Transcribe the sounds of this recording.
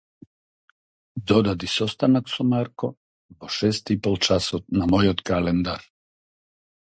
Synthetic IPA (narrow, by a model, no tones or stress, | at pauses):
d̪ɔd̪ad̪isɔst̪anaksɔmaɾkɔ | pɔʃɛst̪ipolˠt͡ʃasɔt̪namojɔt̪kalɛnd̪aɾ